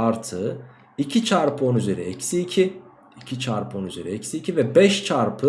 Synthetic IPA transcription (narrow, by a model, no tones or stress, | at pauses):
aɾt̪ʰɯ | icʰit͡ʃʰaɾpʰɯo̞nyzeɾiecsiːcʰi | icʰit͡ʃʰaɾpʰɯo̞nyzeɾiecsiːcʰivɛbɛʃt͡ʃʰaɾpʰɯ